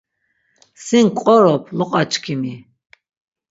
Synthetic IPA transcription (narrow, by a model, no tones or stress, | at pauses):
siŋkʼɔɾɔpʰlɔqʼat͡ʃʰʼkʰimi